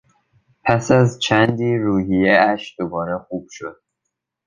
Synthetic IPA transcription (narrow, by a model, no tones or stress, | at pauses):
pʰæsæzt͡ʃʰænd̪iːɾuːhijeæʃd̪̥obɒːɾexuːb̥ʃod̪̥̚